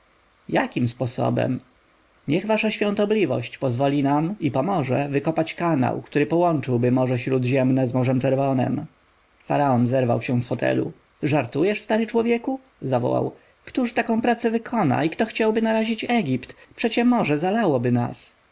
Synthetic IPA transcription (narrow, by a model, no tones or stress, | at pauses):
jakʲimspɔsɔ̰bɛ̰m | ɲɛɣvaʂaɕfʲjɔ̃nt̪ɔblʲivɔ̰ɕt͡ɕpɔzvɔlʲinamipɔmɔʐɛ̰vɘkɔpat͡ɕkana̰wkt̪uɾɘpɔwɔnt͡ʂɘwbɘmɔʐɛɕɾud̪ʑɛmnɛzmɔʐɛmt͡ʂɛɾvɔnɛ̰m | faɾaɔnzɛɾva̰wɕɛ̃sfɔt̪ʰɛ̰lṵ | ʐaɾt̪ujɛʂst̪aɾɘt͡ʂwɔvjɛku | zavɔ̰wa̰w | kt̪uʂt̪akɔ̃w̃pɾat̪sɛvɘkʰɔna̰ikt̪ɔxt͡ɕawbɘnaɾaʑit͡ɕɛɡʲipt̪pʂɛt͡ɕɛmɔʐɛzalawɔbɘna̰s